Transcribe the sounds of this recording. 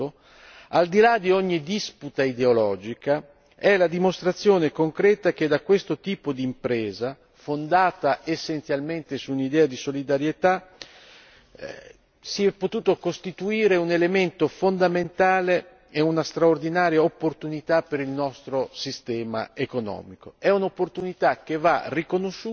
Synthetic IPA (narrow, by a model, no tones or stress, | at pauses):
o | ald̪ilad̪ioɲːid̪isput̪aid̪eolɔːd͡ʒika | ɛlad̪imost̪ɾat̪sːjoːnekoŋkɾɛːt̪ak̟ed̪akwest̪ot̪iːpod̪iːmpɾɛːza | fond̪aːt̪aʔesːent̪sjalment̪esuːnid̪ɛːad̪isolid̪aɾjet̪a | siɛpːot̪uːt̪okost̪it̪uiːɾeunelement̪ofond̪ament̪aːle | eunast̪ɾaord̪inaːɾjaopːort̪unit̪apːeɾilnɔst̪ɾosist̪ɛːma̰ekonɔ̰ːmikoɛunopːort̪unit̪ak̟ːeva̰rikonoʃːu